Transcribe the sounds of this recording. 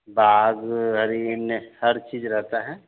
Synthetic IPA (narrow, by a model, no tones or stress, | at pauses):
baːɡɦəɾinehəɾt͡ʃiːd͡ʒɾɛɦt̪aɦɛ̃ː